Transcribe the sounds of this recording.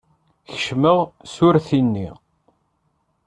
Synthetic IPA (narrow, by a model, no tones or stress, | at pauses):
çə̥ʃməʁsʊɾθinːḭ